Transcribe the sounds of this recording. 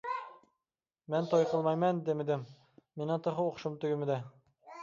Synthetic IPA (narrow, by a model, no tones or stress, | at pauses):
mænt̪ʰojqəlˠmɑjmænd̪emɪd̪ɪmː | enɪt̪ʰoχoqʃʊmt̪ʊɡʲɪmɪd̪æ